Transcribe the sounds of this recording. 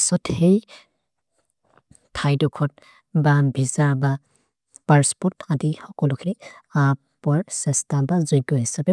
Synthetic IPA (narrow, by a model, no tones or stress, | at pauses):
sɔthej | tʰajdɔkʰɔt̚ | babʱizaɹba | paɹspɔtadixɔkɔlʊkʰiniapɔaɹsɛstabazɔjɡɔɦisabɛ